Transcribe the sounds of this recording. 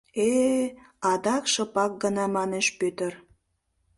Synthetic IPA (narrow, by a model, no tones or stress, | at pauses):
e | ɑd̪ɑkʃɤ̆pɑk̚ɡənɑmɑneʃpøt̪ə̆r